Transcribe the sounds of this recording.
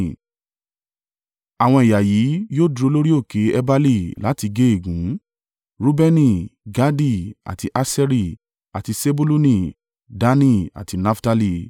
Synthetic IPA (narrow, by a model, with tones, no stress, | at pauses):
a˨w̃ɔ̃˧i˨ja˨jiː˨˦joː˦˨du˦ɾo˧˦lo˦ɾi˦o˦˨ke˨˦ɛ˧ba˦li˦˨la˨˦ti˧ɡe˦e˦˨ɡũ˨˦ | ɾu˦bɛ˦nĩ˧ɡa˦di˦˨a̰˨ti˧ʔa˧sɛ˦ɾi˧ | a̰˨ti˧se˦bu˦lu˦nĩ˧˨ | da˧˦nĩ˦a̰˨ti˨˧na˦fta˧li˦˨